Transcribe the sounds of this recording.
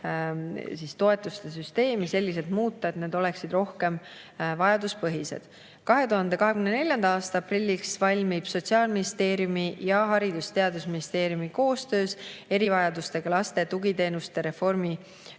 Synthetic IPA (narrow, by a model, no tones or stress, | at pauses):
sist̪o̞e̞t̪ːˑust̪e̞s̬yst̪e̞ːmise̞lʲːise̞d̪muːt̪ˑːɑet̪neːd̪o̞le̞ksid̪̥ro̞hke̞m | vɑjɑd̪uspɤɦise̞̰d̪̥ | kɑɦe̞t̪uɦɑnd̪e̞kɑɦe̞kymnene̞ljɑnd̪̥ɑɑːst̪ɑɑprilʲːiksvɑlʲmib̥so̞t̪siɑːlminist̪e̞ːɾjumijɑɦɑɾid̪ust̪e̞ɑd̪usminist̪e̞ːɾjumiko̞ːst̪ø̞ːse̞ɾivɑjɑd̪ust̪e̞ɡ̥ɑlɑst̪e̞t̪uɡit̪e̞ːnust̪e̞ɾe̞fo̞rmi